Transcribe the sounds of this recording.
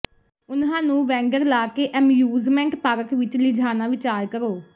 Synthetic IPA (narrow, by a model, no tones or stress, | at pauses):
ʊnɦãːnũːʋɛ̃ːŋɡəɾlaːkeːʔɛmjuːzmɛ̃ːɳʈpaːɾəkʋɪt͡ʃlɪd͡ʒʱaːnãːʋɪt͡ʃaːɾkəɾoː